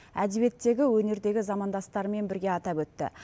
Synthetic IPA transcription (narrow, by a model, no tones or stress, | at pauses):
æ̰d̪ebe̞t̪ːe̞ɡʲɪwɵne̞ɾd̪e̞ɡʲɪzɑmɑnd̪ɑst̪ɑɾəme̞nbɪɾɡʲe̞ɑt̪ɑpwɵt̪ːɪ̰